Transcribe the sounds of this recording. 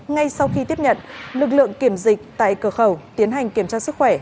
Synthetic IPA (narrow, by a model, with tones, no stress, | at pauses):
ŋa˧jsa˧wxi˧t̪i˦˥əp̚ɲə̰˧˨nlɨ˨˩k̚lɨ̰˧˨əŋki˧˩əmzï˨˩k̟̚t̪a̰ː˧˨jkəː˧˩xə˧˩wt̪i˨˦ənɦa˨˩jŋ̟ki˧˩əmt͡ɕaː˧sɨ˦˥k̚xwɛ˧˩